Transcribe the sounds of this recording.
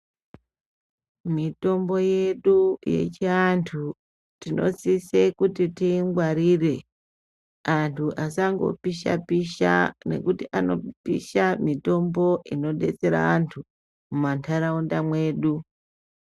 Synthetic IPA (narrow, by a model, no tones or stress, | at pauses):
mito̞mbo̞je̞ɗuje̞̰t͡ʃeantʰu | tinʔo̞̰sisekutitiŋɡwaɾire̞ | antʰuʔasaŋɡo̞̰piʃa̰piʃa̰ne̞̰kutiʔano̰pḭʃamito̞mbo̞ʔino̞ɗe̞̰t͡se̞ɾa̰ʋantʰu | mumantʰaɾaundamwe̞ːɗu